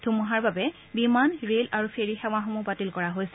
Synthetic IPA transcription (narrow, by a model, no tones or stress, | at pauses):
dʱumuɦaɹbabɛ | bimanɹelaɹupʰeɹixɛw̃aɦomupatilkɔɹaɦojsɛ